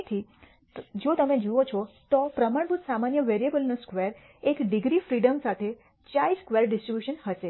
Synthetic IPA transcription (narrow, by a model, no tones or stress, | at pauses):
t̪ʰi | d͡ʒot̪əmẽd͡ʒuot͡ʃʰɔt̪opɾəmaɳbʱut̪samanjəʋeɾiebəlnoskʋeɾ | ekɖiɡɾifɾiɖəmsat̪ʰe | t͡ʃaiskʋeɾɖɪsʈɾibjuʃənɦəʃe